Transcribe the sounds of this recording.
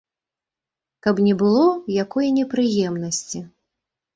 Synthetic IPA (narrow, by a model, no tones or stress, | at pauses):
kɐpnʲɛbɨlˠɔjakɔjɐnʲɛpɾɨjɛmnɐsʲt͡sʲi